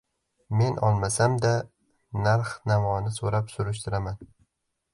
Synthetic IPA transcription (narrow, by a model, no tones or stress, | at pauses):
me̞nʔɒlˠmasamd̪a | naɾχnamɒnɪsoɾapsʊɾʊʃ̬t̪ʰɪɾaman